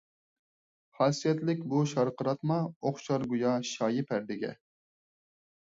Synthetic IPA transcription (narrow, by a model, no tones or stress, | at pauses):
χɑsijɛt̪lɪkʲbuʃɑɾqəɾɑt̪mɑoχʃɑɾɡujɑʃɑːjɪpʰæɾd̪ɪɡʲɛ̰